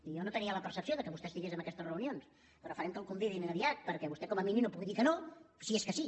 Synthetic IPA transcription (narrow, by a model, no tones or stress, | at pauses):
ijonot̪əniələpəɾsəpsioðəkəβust̪ɛst̪iɣezəmbəkɛst̪əzrəunions | pəɾɔfəɾɛmkəlˠkumbiðinənəβiat̪̚pəɾkɛβust̪ɛkɔməminimnopuɣiðikənosieskəsi